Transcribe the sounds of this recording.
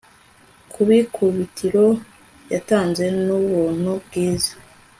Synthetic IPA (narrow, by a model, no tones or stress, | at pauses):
kʰuβikʰuβitʰiɾo̞ | jataːnze̞nuβuːn̥ubɡiːzḁ